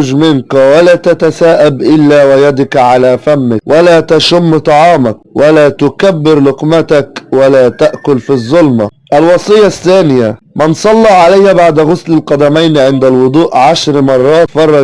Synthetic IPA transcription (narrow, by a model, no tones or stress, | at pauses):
d͡ʒmɪnkwalaːt̪at̪asaːʔabʔɪlːaːwajad̪ɪkʕalafamːɪkwʔalaːt̪aʃʊmːt̪ˤɑʕɑːmak̚walaːt̪ʊkabːɪɾlʊqmat̪akwalaːt̪aʔkʊlfizˤːʊlma | ʔalwɑsˤɨjːaθːaːnɪja | mɪnsˤɑlːɑʕalajːabaʕd̪ɣʊslɪlqɑd̪amajnʕɪnd̪alwʊd̪ˤuːʔʕaʃɾmɑrˤːɑːt̪fɑrˤːɑ